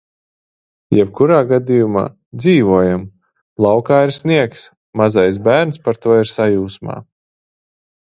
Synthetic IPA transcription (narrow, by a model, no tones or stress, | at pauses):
jɛb̥̚kuɾaːɡad̪ijuma̰ː | d̪ziːvuɔjam | lˠɑwkaːiɾsniɛks | mazajs̬bæːɾnspaɾt̪uɔiɾsajuːsma̰ː